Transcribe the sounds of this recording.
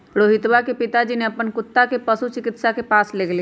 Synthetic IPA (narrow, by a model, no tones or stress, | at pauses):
ɽoːɦɪt̪wakepɪt̪ad͡ʒineɐpənkʊt̪ːakepəsut͡ʃɪkɪt̪sakepaːsleːɡle